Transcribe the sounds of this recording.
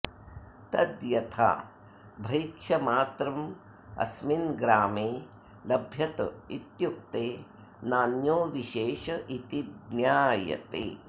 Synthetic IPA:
t̪ɐd̪jɐt̪ʰa̰ː | bʱɐjikʃɐmaːt̪ɾɐm | ɐ̰sminɡɾaːmeː | lɐbʱjɐt̪it̪juk̚t̪eː | naːnjoːʋiʃeːʃɐʔit̪id̪njaːjɐ̰t̪ḛː

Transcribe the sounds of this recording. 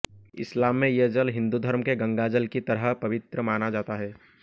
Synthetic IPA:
ɪ̰slaːmːẽjed͡ʒəlɦɪ̃nd̪ud̪ʱəɾmkeɡə̃ŋɡaːd͡ʒəlkit̪ɐɾəɦpɐʋɪt̪ɾəmaːnad͡ʒaːt̪aɦɛː

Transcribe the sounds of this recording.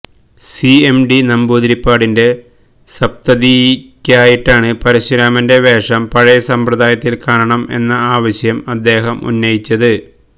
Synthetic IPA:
siemɖinɐmbuːd̪ɾipːaːɽinde̞ | sɐp̚t̪ɐðikʲːaːjiʈːaːɳɨpɐɾiɕɾaːmɐnde̞ʋe̞ːʂɐmpɐɻɐjɐsɐmpɾɐðaːjɐt̪ːilkaːɾɐɳɐme̞̰nːɐaːʋɐɕjɐmɐd̪ːe̞ːɦɐmṵnːɐjit͡ɕːɐðɨ

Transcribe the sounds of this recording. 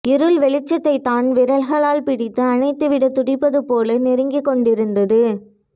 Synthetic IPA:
ɪɾɯlʋɛɭɪt͡ʃːɐt̪ːɐɪt̪ːaːnʋɪɾɐlɣɐɭaːlpɪɽɪt̪ːɯɐnɐɪt̪ːɯʋɪɽɐt̪ːʊɽɪpːɐðɯpoːlɐnɛɾɪŋɡɪkːɔɳɖɪɾɯnd̪ɐðɯ

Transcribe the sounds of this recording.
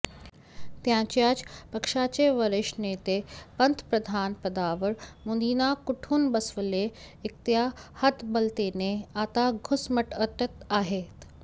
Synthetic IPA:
t̪jãːt͡ɕjaːd͡ʑpɐkʂat͡ɕeʋɐɾɪʃneːt̪epɐnt̪ʰpɾəd̪ʱaːnpɐd̪aːʋəɾmõːnd̪iːnakʊʈʰuːnbɐsʋəle | ɪk̚t̪jahɐt̪bɐlt̪eːneaːt̪aɡʱʊsməʈət̪ət̪aːɦeːt̪

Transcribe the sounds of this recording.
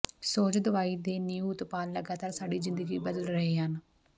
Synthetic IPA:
soːt͡ʃd̪əʋaːiːd̪eːniːut̪paːlːəɡaːt̪aːɾsaːɖiːzɪnd̪əɡiːbəd̪əlɾəɦeːɦən

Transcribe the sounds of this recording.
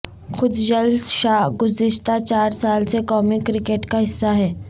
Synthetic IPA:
xʊd̪d͡ʒɐlsʃaːɦɡʊzɪʃt̪at͡ʃaːɾsaːlsekɔːmikɾɪkeːʈkaɦɪsːaɦɛː

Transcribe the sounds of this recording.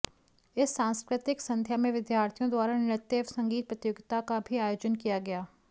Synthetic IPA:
ɪsːãːnskɾɪt̪ɪksɐ̃nd̪ʱjamẽʋɪd̪jaːɾt̪ʰijõd̪waːɾanɪɾət̪ːeːʋsɐ̃ŋɡiːt̪̚pɾət̪joːɡɪt̪akabʱiaːjoːd͡ʒənkijaɡɐjaː

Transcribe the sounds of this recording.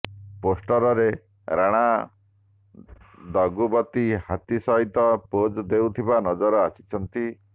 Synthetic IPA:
posʈɔɾɔɾe | ɾaɽ̃a | d̪ɔɡubɔt̪ihat̪isɔɦit̪ɔpod͡ʒd̪ewt̪ʰibanɔd͡ʒɔɾɔasi̥t͡ʃʰɔnt̪i

